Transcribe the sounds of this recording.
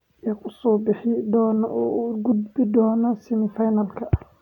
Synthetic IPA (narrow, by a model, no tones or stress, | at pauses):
ɛkʰʊsɔːbɪħɪd̪ɔːnɔʔɔːuɡʊd̪bɪd̪ɔːnɔsɪmɪfɐjnɐlkʰɐ